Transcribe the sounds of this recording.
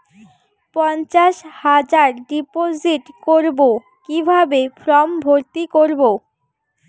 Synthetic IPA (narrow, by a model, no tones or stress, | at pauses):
pɔnt͡ɕaʃhad͡ʑaɾɖipod͡ʑiʈkoɾbo | kibʱabefʰɾɔmbʱoɾt̪ikoɾbo